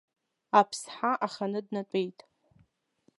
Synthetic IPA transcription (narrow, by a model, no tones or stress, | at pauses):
apʰsħaʔaχanɨdnatʷʼe̞jtʼ